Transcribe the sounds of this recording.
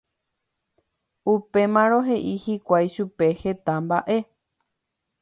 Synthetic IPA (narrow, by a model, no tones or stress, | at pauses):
upe̞mãɾõ̞ɦe̞ʔihikʷajʃupe̞he̞t̪amba̰ʔe̞